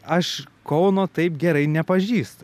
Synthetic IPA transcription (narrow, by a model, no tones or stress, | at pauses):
ɐʃkɐʊnoːt̪ɐɪpɡʲɛɾɐɪnʲɛpɐʒʲiːst̪